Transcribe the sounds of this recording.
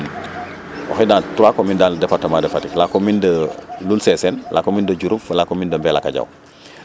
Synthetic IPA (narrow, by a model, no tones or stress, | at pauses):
wɔ̰xɛdantuɾakɔmindaːndɛfatːɐmadɛfatiklakːɔmindəlulsɛsɛnlʔakɔmindəɟuɾuflakɔmindəmbɛla̰kaɟa̰w